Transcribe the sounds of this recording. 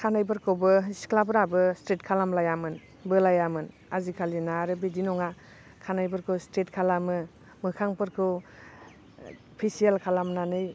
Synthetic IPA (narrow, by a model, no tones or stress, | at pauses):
kʰanajbɯɾkʰɯwbɯisklabɾabɯstetkʰalamlajamɯn | bɯlajamɯn | azikʰalinaɾɯbidinɔŋa | kʰanajbɯɾkʰɯwstetkʰalamɯ | mɯkʰaŋpɯɾkʰɯw | pʰisielkʰalamnanɯj